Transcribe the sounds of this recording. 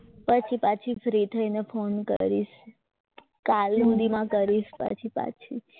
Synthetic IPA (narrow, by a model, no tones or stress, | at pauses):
pət͡ʃʰipat͡ʃʰifɾit̪ʰəinefonkə̰ɾiʃ | kalnũd̪imãkəɾiʃpə̰t͡ʃʰipa̰t͡ʃʰi